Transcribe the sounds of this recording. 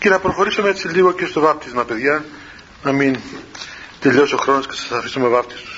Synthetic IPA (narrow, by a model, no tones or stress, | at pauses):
ce̞nɐpɾo̞xo̞ɾisomeet͡siliɣo̞ce̞st̪o̞vɐpt̪izmɐpe̞ðʝɐ | nɐmin | t̪e̞ʎo̞so̞xɾonoscesɐsɐfisomevɐpt̪ist̪u̥s